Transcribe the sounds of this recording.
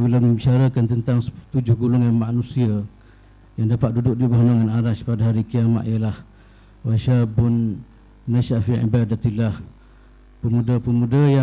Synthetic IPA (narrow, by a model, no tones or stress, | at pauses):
bilaməit͡ʃaɾakant̪ənt̪aŋst̪ud͡ʒʊhɡulʊŋjaŋmanũsia | jaŋdapat̪̚dudʊk̚dibaɦunaŋanaɾaʃpadaɦaɾikiama̰ʔ̪ijəlah | waʃabʊnː | aʃafiʔḭbadat̪ilah | pəmũdapəmũdaja